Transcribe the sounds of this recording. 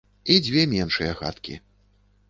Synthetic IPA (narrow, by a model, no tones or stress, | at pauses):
id͡zʲvʲɛmʲɛnʂɨjɐɣa̰t̪kʲḭ